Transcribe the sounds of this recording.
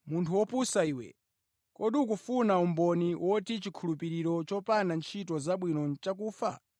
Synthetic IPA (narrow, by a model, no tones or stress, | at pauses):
muntʰuwɔpusaiːwɛ̰ | kɔɗiuk̬ufunaumbɔniwʔɔtit͡ʃikʰulupiɾiɾɔt͡ʃɔpanant͡ʃʰitɔzaɓwinɔt͡ʃak̬uːfa̰